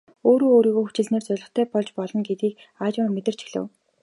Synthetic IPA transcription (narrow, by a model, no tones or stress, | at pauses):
oːɾoːoːɾiːɣoːxut͡ɕɪ̆ɮneːrt͡sœɮɞ̆χt̪ʰæːpɔɮt͡ɕpɔɮɞ̆ŋɡet̪iːk | aːt͡ɕʊ̆rmet̪ɘ̆r̥t͡ɕi̥xɮɘ̰̆w